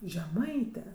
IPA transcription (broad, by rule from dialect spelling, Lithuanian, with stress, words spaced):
ʒʲɛˈmɐɪtʲɛ